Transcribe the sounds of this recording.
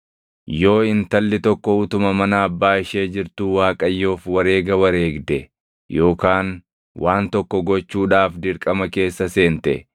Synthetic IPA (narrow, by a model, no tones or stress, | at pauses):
jo̞ːɪnt̪ɐlːɪt̪ɔkːɔʊt̪ʊmɐmɐnɐːbːaːɪʃe̞ːd͡ʒɪɾt̪uːwaːkʼɐjːo̞ːfwɐɾeːɡɐwɐɾe̞ːɡd̪ɛ | jo̞ːkaːn | wʔaːnt̪ɔkːɔɡɔt͡ʃːuːᶑaːfd̪ɪɾkʼɐmɐke̞ːsːɐse̞ːnt̪ɛ̰